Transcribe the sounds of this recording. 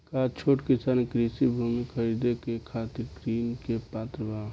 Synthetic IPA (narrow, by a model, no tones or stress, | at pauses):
kat͡ʃʰoːʈkisaːnkɾisibʱumikʰəɾid̪ekekʰat̪iɾkɾiːnkepat̪ɾəba